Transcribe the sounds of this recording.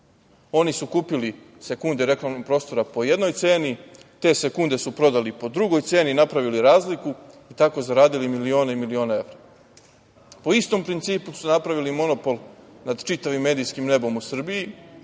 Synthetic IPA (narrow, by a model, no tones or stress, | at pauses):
o̞nisukuːpili | sekund̪eɾe̞klˠamnompɾo̞ːst̪o̞ɾapo̞je̞d̪no̞jt̪se̞ːnit̪e̞ːsekund̪e̞supɾo̞d̪alipo̞d̪ɾuɡo̞jt̪se̞ːninapɾaʋiliɾaːzlikuit̪ako̞zaɾaːd̪ilimilio̞ːneimilio̞ːnae̞ʋɾa | po̞ist̪o̞mpɾint̪siːpusunapɾaʋilimo̞no̞po̞lˠnad̪t͡ʃit̪aʋimːe̞ːd̪ijskimne̞bo̞musr̩biji